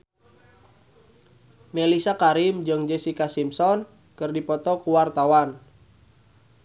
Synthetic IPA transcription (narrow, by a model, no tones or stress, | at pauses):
melisakaɾimd͡ʒɨŋd͡ʒɛsikasimsɔn | kɨrdipɔt̪ɔkuwart̪awan